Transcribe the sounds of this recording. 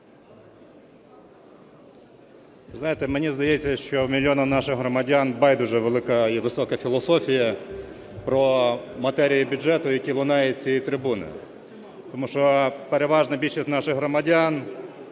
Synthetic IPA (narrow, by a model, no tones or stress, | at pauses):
ʋɪznɑjet̪ɛmenʲizd̪ɐjɛt͡sʲːɐʃt͡ʃɔmʲilʲjɔnɐmnɑʃɪxɦɾɔmɐdʲanbɑjd̪uʒɛʋelˠɪkɐiʋɪsɔkɐfʲilˠɔsɔfʲijɐ | pɾɔmɐt̪ɛɾʲijibʲʊdʒɛt̪ʊjɐkʲilˠʊnɑjɛt͡sʲijit̪ɾɪbunɪ̰ | t̪ɔmuʃɔpeɾeʋɑʒnɐbʲilʲʃisʲtʲnɑʃɪxɦɾɔmɐdʲan